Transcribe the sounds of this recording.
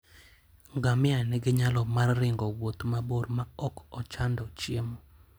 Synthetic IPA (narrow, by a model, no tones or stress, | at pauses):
ŋɡamɪanɪɡɪɲalɔmarːɪŋɡɔwot̪maboɾmaɔkɔt͡ʃandɔt͡ʃjemo